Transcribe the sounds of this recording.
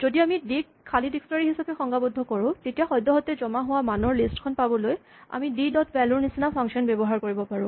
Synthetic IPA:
zodiamidik | kʰːalidiksnɔɹiɦisapɛxɔŋɡabudʱːɔkɔɹʊ̃tetijaxɔjdɔɦɔtɛzɔmaɦʊwamanɔɹlistkʰɔnpabɔloj | a̰mididɔtʰbɛluɹnisinapʰaŋksɔnbɛbɔɦaɹkoɹibɔpaɹʊ̃

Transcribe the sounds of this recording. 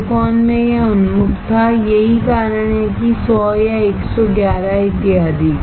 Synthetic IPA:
kɔːnmẽjeʊnmʊkt̪ʰajɐɦikaːɾəɳ̃ekisɔːjaeːksɔɡjaːɾaɦɪt̪ːɪjaːd̪i

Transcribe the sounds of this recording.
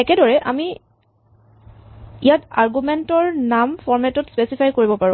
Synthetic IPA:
ɛkɛdɔɹɛʔami | ijataɹɡumɛntɔɹnamfʰɔɹmɛtɔtspɛsipʰajkoɹibɔpaɹʊ̃

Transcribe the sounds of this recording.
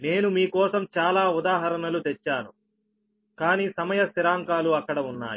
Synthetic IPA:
ne̞ːnumiːkɔːsɐmt͡ʃaːlaːud̪aːɦɐɾɐnɐlut̪ɛt͡ʃːaːnu | kaːniːsɐmɐjɐsiɾaːŋkaːluɐkːɐɽɐunːa̰ːj

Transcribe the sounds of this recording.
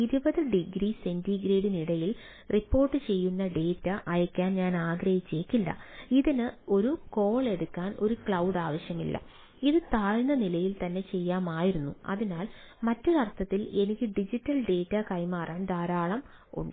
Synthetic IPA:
iðibɐðɨɖiɡɾise̞ndiɡɾeːɽiniɽɐjil | ripːo̞ːrʈːɨt͡ɕe̞jːunːɐɖe̞ːtːɐʔɐjɐkʲːaːnɲaːnaːɡɾɐhit͡ɕːeːkːilːɐ̰iðinɨo̞ɾuko̞ːɭe̞ɽukːaːno̞ɾukɭɐwɖaːʋɐɕjɐmḭlːɐ̰ | iðɨt̪aːɻnɐnilɐjilt̪ɐnːe̞t͡ɕe̞jːaːmaːjiɾunːṵɐ̰ðinaːl | mɐtːulɐrt̪ʰːɐt̪ːile̞nikʲːɨɖid͡ʑitːɐlɖe̞ːtːɐkɐjmaːrʔaːnd̪aːɾaːɭɐm | ṵɳɖɨ

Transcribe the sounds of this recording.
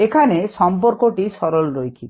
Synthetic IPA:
ekʰanesɔmp̬ɔɾkoʈisɔɾolɾojkʰi

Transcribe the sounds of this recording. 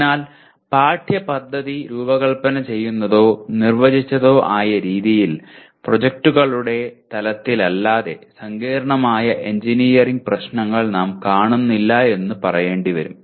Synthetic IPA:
naːl | paːʈʰjɐpɐd̪ʱːɐðiɾuːbɐɣɐɭpɐnɐt͡ɕe̞jːunːɐðo̞ːnirʋɐd͡ʑit͡ɕːɐðo̞ːʔaːjɐɾiːðijil | prod͡ʑek̚ʈuɣɐɭuɽe̞t̪ɐlɐt̪ːilɐlːaːðe̞sɐŋɡeːɾɐɳɐmaːjɐʔeɲd͡ʑiniːjɐriŋɡ̚prɐɕnɐŋːɐɭnaːmkaːɳunːilːɐe̞nːɨpɐrɐje̞ːɳɖiʋɐɾṵm

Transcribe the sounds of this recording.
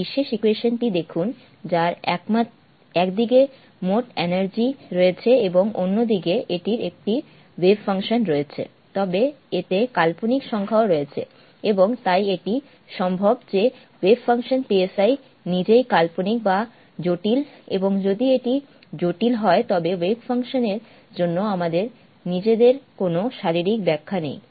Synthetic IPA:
biʃːeʃikeʃonʈid̪ekʰun | d͡ʑaɾɛkma | ɛkd̪iɡe | moʈenaɾd͡ʑiɾoet͡ɕʰeeboŋonːod̪iɡeʔeʈiɾek̚ʈi | webfaŋʃonɾoet͡ɕʰḛ | t̪ɔbeet̪ekalponikʃɔŋkʰaoɾoet͡ɕʰe | eboŋt̪ajeʈi | ʃɔmbʱobd͡ʑe | webfaŋʃonpiesaj | nid͡ʑejkalponik̚ba | d͡ʑoʈilḛboŋd͡ʑod̪ieʈi | d͡ʑoʈilɦɔet̪ɔbewebfaŋʃoneɾ | d͡ʑonːoamad̪eɾ | nid͡ʑed̪eɾkonoʃaɾiɾik̚bɛkʰːanḛj

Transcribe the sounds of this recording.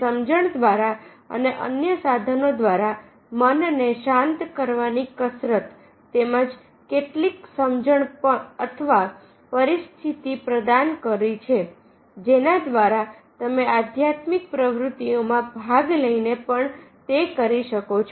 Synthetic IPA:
səmd͡ʒəɳd̪ʋaɾa | ə̰neʔə̰njəsad̪ʱənod̪ʋaɾa | mənneʃãnt̪kəɾʋanikəsɾət̪ː | eməd͡ʒ | keʈliksəmd͡ʒəɳpəət̪ʰəʋa | pəɾist̪ʰit̪ipɾəd̪ankəɾit͡ʃʰe | d͡ʒenad̪ʋaɾa | t̪əmead̪ʱjat̪mik̚pɾəʋɾut̪iomãbʱaɡləinepəɳt̪ekəɾiʃəkot͡ʃʰ

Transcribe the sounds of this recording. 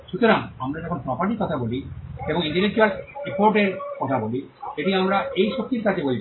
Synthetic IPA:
ʃut̪oɾaŋamɾad͡ʑɛkʰonpɾɔpaɾʈiɾkɔt̪ʰabolieboŋiɳʈelek̚t͡ɕualipoɾʈeɾkɔt̪ʰaboli | eʈiamɾaejʃok̚t̪iɾkat̪ebolibe

